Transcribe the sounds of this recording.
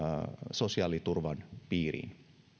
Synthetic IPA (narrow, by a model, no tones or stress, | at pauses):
sosiɑːlit̪urʋɑnpiːrḭːn